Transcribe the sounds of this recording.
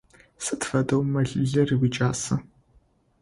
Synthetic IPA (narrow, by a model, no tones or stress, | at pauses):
sɨtfɐdɐwmɐɮɮɐriwit͡ʃʼaːsɐ